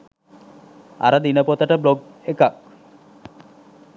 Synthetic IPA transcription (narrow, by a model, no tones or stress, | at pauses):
a̰ɾəd̪inəpot̪aʈəbloɡ | ekak̚